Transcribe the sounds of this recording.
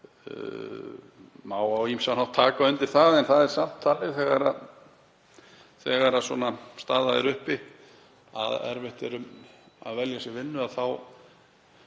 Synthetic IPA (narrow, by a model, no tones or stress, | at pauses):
maːwawimsanawht̪ʰːaːkaʏnt̪ɪɾ̥θaðɛnθaðɛɾ̥sam̥t̪ʰːaːlɪθɛɣaɾað | θɛɣaɾaswɔ̰nast̪aːðaðɪ̰ɾʏhpɪ | aðɛ̰ɾvɪht̪ɛɾʏm | a̰ðvɛljasjɛvɪnːʏaðθaw